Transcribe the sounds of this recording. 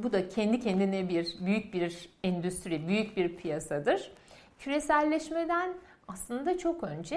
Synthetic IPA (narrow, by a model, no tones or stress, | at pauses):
bud̪acʰɛnd̪icʰɛnd̪inɛbiɾbyjyc̚biɾɛnd̪yst̪ʰɾibyjyc̚biɾpʰijasad̪ɯɾ̥ | cʰyɾesælʲːɛʃmed̪æn | aslˠɯnd̪at͡ʃʰo̞kø̞nd͡ʒɛ